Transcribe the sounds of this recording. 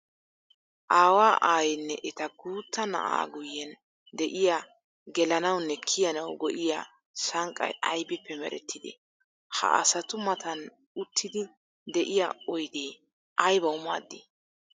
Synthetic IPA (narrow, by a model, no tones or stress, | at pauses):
ʔaːwaːʔaːjɛnːɛʔɛt̪ɐɡuːt̪ːɐnɐ̰ʔa̰ːɡʊjːɛn | d̪ɛʔɪja | ɡɛlɐnɐwnːɛkʰːɪjɐnɐwɡɔʔɪja̰ | sɐŋkʼːɐ̰jʔɐjbɪpːɛmɛ̰ɾɛ̰t̪ːɪd̪ɛ̰ | hɐ̰ʔɐ̰sɐt̪ʊmɐt̪ɐn | ʊt̪ʰːɪd̪ɪ | d̪ɛʔɪjaɔjd̪eː | ʔɐjbɐwʊmaːd̪ːi